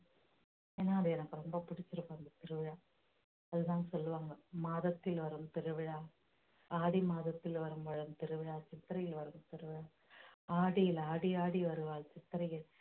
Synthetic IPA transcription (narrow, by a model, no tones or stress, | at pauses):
eːnːaːɐðɯɛnɐkːɯɾɔmbɐpʊɽɪt͡ʃːɪɾɯpːaːɐnd̪ɐt̪ɪɾɯʋɪɻaː | ɐðɯt̪ãːsɔlːɯʋaːŋɡɐmaːðɐt̪ːɪlʋɐɾɯmt̪ɪɾɯʋɪɻaː | aːɽimaːðɐt̪ːɪlʋɐɾɯmʋɐɻɯmt̪ɪɾɯʋɪɻaːt͡ʃɪt̪ːɪɾɐjɪlʋɐɾɯmt̪ɪɾɯʋɪɻaː | aːɽɪjɪlaːɽiaːɽiʋɐɾɯʋaːlt͡ʃɪt̪ːɪɾɐjɪl